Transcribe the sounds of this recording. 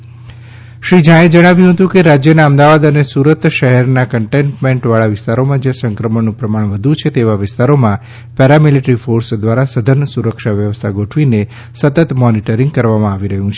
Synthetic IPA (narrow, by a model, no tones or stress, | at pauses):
ʃɾid͡ʒãẽd͡ʒəɽ̃aʋjũɦət̪ũkeɾad͡ʒjənaəmd̪aʋad̪ənesuɾət̪ʃəɦɛɾnakəɳʈeɳʈmẽɳʈʋaɭaʋɪst̪aɾomãd͡ʒasəŋkɾəmənũpɾəmaɳ̃ʋəd̪ʱut͡ʃʰet̪eʋaʋɪst̪aɾomã | pɛɾamiliʈɾifoɾsd̪ʋaɾasəd̪ʱənəsuɾəkʃaʋjəʋəst̪ʰaɡoʈʰʋine | sət̪ət̪mɔniʈəɾĩŋɡ̚kəɾʋamãaʋiɾəɦũt͡ʃʰe